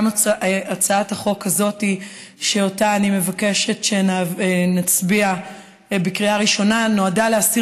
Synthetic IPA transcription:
mat͡saathaχo̞kazo̞ti | ʃe̞o̞taːnime̞vake̞ʃe̞tʃe̞nnat͡sbia | bekʁiaʁiʃo̞nano̞adaleasi

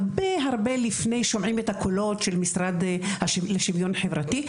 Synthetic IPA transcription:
beɦaʁbe̞lifne̞jʃo̞mʕimetakʰolo̞tʃelmisʁad̪haʃleʃivjonħevʁati

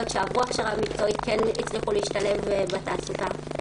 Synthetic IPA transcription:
otʃeavuaχʃeʁamikt͡so̞it̪kenit͡sʁiχuliiʃtale̞vbat̪aːsuta

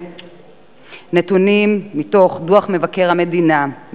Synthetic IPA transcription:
netunimːito̞χduaχme̞vake̞ʁhame̞dinam

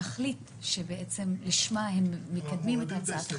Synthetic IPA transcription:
aχlit̪ | ʃebeʔet͡se̞mliʃmaɦemːekad̪mimet̪hat͡saat̪a

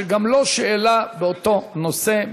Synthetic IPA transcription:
ɡamlo̞ʃeʔːlabeot̪o̞no̞se̞

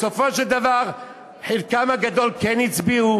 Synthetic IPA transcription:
sofoʃeld̪avaʁ | ħelkamaɡad̪olkenit͡sbiu

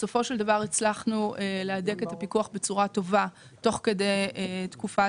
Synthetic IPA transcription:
so̞fo̞ʃeld̪avaʁet͡slaχnuelead̪e̞ke̞t̪apikuaχbe̞t͡suʁat̪o̞va | to̞χke̞d̪e̞jt̪kufa

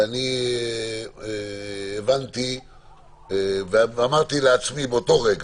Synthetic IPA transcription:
ani | vant̪i | veamaʁt̪ileat͡smibeot̪o̞ʁeɡ

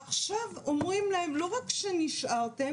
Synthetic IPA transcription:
aχʃavomʁimlahemlo̞ʁakʃeniʃʔaʁt̪e

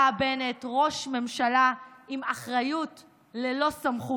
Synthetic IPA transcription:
abenetʁo̞ʃme̞mʃalaimaχʁajut | lelo̞samχu

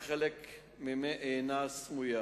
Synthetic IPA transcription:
χɛlɛk | mimɛʔeːnasmuja

